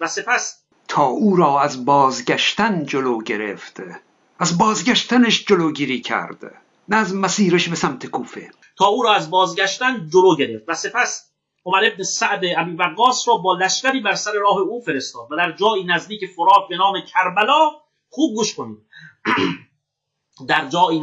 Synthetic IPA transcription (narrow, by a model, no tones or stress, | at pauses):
væse̞pʰæs | t̪ʰɒːʔuːɾɒːæzbɒːzɡæʃt̪ænd͡ʒoloːɡeɾḛft̪ | æzbɒːzɡæʃt̪æneʃd͡ʒoloːɡiːɾiːkʰæ̰ɾd̪̥ | næːzmæsiːɾeʃbesæmt̪ʰekʰuːfḛ | t̪ʰɒːuːɾɒːæzbɒːzɡæʃt̪ænd͡ʒoloːɟe̞ɾe̞ft̪væse̞pʰæs | omæɾe̞bnesæʔd̪eʔæbiːbæɣːɒːsɾɒːbɒːlæʃcʲæɾiːbæɾsæɾe̞ɾɒːɦe̞uːfe̞ɾest̪ɒːd̪væd̪æɾd͡ʒɒːiːnæzd̪iːcʰe̞foɾɒːkbe̞nɒːmecʰæɾbælɒː | χuːb̚ɡuːʃkʰoniːd̪̚ | d̪æɾd͡ʒɒːiː